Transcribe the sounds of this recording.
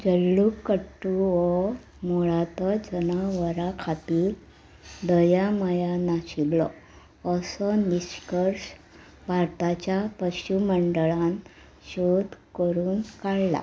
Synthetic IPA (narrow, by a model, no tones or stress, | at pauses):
d͡ʑəlːukːəʈːuɔ | moɭat̪ɔd͡ʑənaʋəɾakʰat̪iːl | d̪əjaməjanaɕiɡlɔ̰ | əsɔniskəɾɕ | bʱaɾt̪at͡ɕjapəɕuməɳɖəɭãn | ɕod̪ʱkəɾuːnkaɭla̰